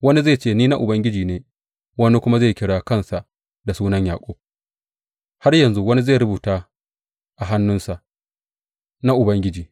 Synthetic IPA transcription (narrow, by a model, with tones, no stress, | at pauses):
wɐ˦ni˦ze˦˨t͡ʃeː˦˨niː˦na˦ʔʊ˨bɐ˦ŋɡʲɪ˦d͡ʒiː˨neː˨ | wɐ˦ni˦kʷʊ˦ma˦zeː˦˨kʲɪ˦ɽaː˦kɐ˦nsa˨ʔ | da˨suː˦nɐ˦ɲjaː˨kʷʼoː˦ | ha˦rjɐ˨nzu˦wɐ˦ni˦zaː˦˨ɾʊ˦buː˨taː˦ | ʔa˨ɦa˦nːʊ˦nsa˨ʔ | na˦ʔʊ˨bɐ˦ŋɡʲɪ˦d͡ʒiː˨